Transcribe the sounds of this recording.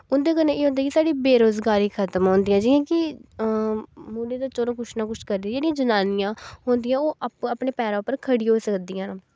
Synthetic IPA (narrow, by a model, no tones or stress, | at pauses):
ʊnd̪eːkəɾnẽeːɦõːnd̪aːkɪsaːɖiːbeːɾoːzɡaːɾiːkʰət̪əmɦõːnd̪ɪjãːd͡ʒɪːãːkɪ | muːɖeːd̪aːt͡ʃɔːɾõːkʊt͡ʃnãːkʊt͡ʃʰkəɾd̪id͡ʒeːɽɪjãːd͡ʒənaːnɪjãːɦoːnd̪ɪjãːoːəpɳeːpɛːɾãːʊpəɾkʰəɽiɦoːsəkd̪iːãː